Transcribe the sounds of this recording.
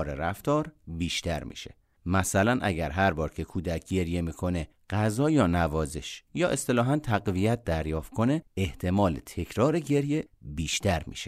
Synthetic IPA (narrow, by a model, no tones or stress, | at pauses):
ɾḛɾæft̪ɒːɾbiːʃt̪æɾmḭːʃḛ | mæsælænʔæ̰ɟæɾɦæɾbɒːɾcʰe̞kʰuːd̪æc̚ʰɟe̞ɾje̞miːkʰo̞ne | ɢ̥æzɒːjɒːnævɒːze̞ʃjɒːʔe̞st̪e̞lɒːɦænt̪ʰæɣvijæt̪̚d̪æɾjɒːft̪̚kʰo̞neeht̪ʰe̞mɒːlet̪ʰe̞cʰɾɒːɾeɟe̞ɾjebiːʃt̪æɾmḭːʃe